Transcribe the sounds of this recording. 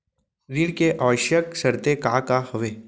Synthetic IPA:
ɾiːɽkeʔaːʋəʃjəksɐɾt̪ekaːkahɐʋeː

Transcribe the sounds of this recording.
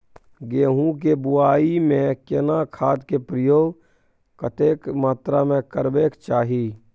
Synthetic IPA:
ɡeːɦũk̬ebʊaːimẽkenakʰaːd̪kepɾəjoːɡ | kət̪eːkmaːt̪ɾamẽkəɾbeːkt͡ʃaːɦiː

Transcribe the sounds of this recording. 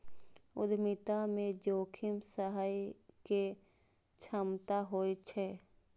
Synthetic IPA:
ʊ̰d̪mɪt̪amẽd͡ʒoːkʰɪmsəɦaike | t͡ʃʰəmt̪aɦoːit͡ʃʰɛ

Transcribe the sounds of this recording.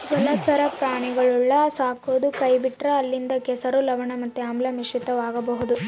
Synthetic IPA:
d͡ʒɐlɐt͡ʃɐɾɐp̚kaːɳiɡɐɭuɭːɐsaːkoːd̪ukɐjbiʈɾɐːlːind̪ɐkɛsɐɾulɐʋɐɳɐmɐt̪ːuamlɐmiʂit̪ːɐʋaːɡɐbɐɦud̪u

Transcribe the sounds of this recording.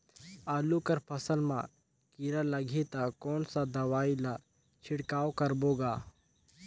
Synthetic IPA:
aːlukəɾpʰɐsəlmã̰ | kiɾalɐɡʱet̪akɔːnsad̪ɐʋaːila | t͡ʃʰɪɽkaːwkəɾboːɡaː

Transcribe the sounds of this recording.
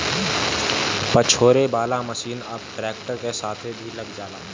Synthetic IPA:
pət͡ʃʰoːɾebaːlaməʃiːnəbʈɾɛːk̚ʈəɾkesaːt̪ʰebʱilɐɡd͡ʒaːla̰ː

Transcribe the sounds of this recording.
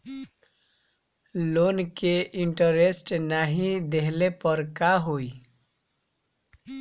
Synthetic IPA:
lonkeʔɪɳʈəɾesʈnaɦĩd̪eɦlepəɾkaɦoi

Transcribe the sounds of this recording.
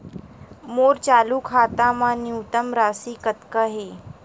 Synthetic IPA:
moːɾt͡ʃaːlukʰaːt̪ãmãniwt̪əmɾaːsiːkət̪kəɦeː

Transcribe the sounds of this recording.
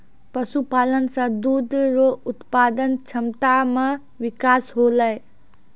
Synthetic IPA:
pɐsupaːlənsãd̪uːd̪ʱɾoʊt̪paːd̪ənt͡ʃʰɐmt̪amẽ | ʋɪkaːsɦoːlae

